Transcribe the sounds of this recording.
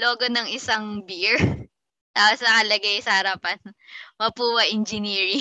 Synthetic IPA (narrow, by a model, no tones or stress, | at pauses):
loːɡonɐŋɪsaŋbiɹ | t̪aːposnɐkɐlɐɡajsɐhɐɾɐpɐnmɐpuːwɐʔɪnd͡ʒɪniːɹɪ